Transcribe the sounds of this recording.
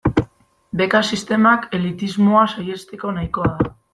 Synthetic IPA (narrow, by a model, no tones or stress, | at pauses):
be̞kasist̪e̞make̞lit̪izmo̞asaje̞st̪eko̞najko̞aða